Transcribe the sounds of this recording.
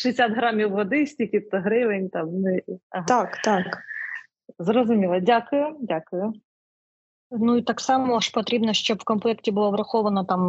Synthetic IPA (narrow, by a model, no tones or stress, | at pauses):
ʂɨɪsʲat̪ɦɾɑmʲiwʋɔd̪ɪsʲtʲikʲɪpt̪ɔɦɾɪʋenʲt̪ɑmnɪɐɦt̪ɑkt̪ɑk | zɾɔzʊmʲilˠɐdʲakʊjʊdʲakʊjʊ | nuit̪ɑksɑmɔɔʂpɔt̪ɾʲibnɔʃt͡ʃɔbwkɔnmplˠɛktʲibʊlˠɔʋɾɐxɔʋɐnɐt̪ɑm